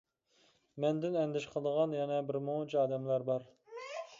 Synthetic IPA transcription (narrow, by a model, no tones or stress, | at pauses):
mɛnd̪ɪnɛnd̪ɪʃqʰəlˠd̪əʁɑnjɛnɛbɪɾmot͡ʃʰɑːd̪ɛmlæɾbɑɾ